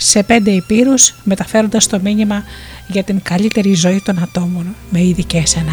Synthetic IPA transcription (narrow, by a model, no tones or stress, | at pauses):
se̞pe̞nd̪e̞ipiɾusme̞t̪ɐfe̞ɾo̞nd̪ɐst̪o̞miɲimɐ | ʝɐt̪iŋɡɐlit̪e̞ɾizo̞it̪o̞nɐt̪o̞mo̞nme̞iðice̞selɐ